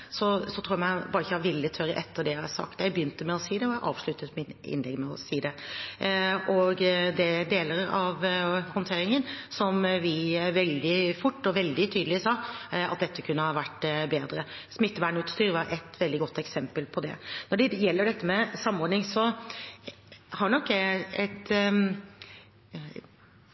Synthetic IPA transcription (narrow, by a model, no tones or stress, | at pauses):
sɔsɔt̪ʰɾuːjææɪbɑːɾəɪçəɑʋɪlːət̪ʰøːɾəʔɛt̪ʰːəɖɛjæɪhɑsɑ̰kt̪jæɪbəjʏnt̪əmɛɔsiːd̪ɛɔjæʔɑ̰ːʋʂɭʉt̪ət̪mɪnɪ̰nlɛɡmɛɔsiːd̪ɛ | ɔɡd̪ɛd̪eːləɾɾɑʋhɔnt̪ʰeːɾɪŋənsɔmʋɪʋɛld̪ɪfʊʈːɔʋɛld̪ɪt̪ʰyːd̪əlɪsɑːɑ̰t̪̚d̪ɛt̪ːəkʰʉnːəhɑʋæʈːbeːd̪ɾəsmɪt̪ːəʋæɳʉːt̪st̪yːɾʋɑɾʔɛt̪ʋɛld̪ɪɡɔt̪ːɛksɛmpəlpʰɔd̪ɛ̰nɔɖɛjɛlːəɖɛt̪ːəmɛsɑmːɔɾɳɪŋsɔ | hɑɾnɔkːɛt̪